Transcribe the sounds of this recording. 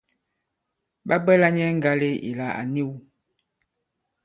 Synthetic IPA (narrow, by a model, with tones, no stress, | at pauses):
ba˦bɛ˦la˦ɲɛ˦ŋ̩˦ɡa˦le˦ḭ˨la˨a̰˨ni˦˨w